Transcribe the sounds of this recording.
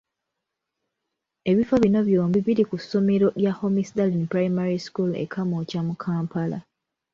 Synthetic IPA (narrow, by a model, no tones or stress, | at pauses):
e̞βifaβino̞βjo̞ːmbiβiɾikusːo̞me̞ɾo̞jaho̞misdalinpɾajimaɾiskulḛkʰamocamukʰaːmpala̰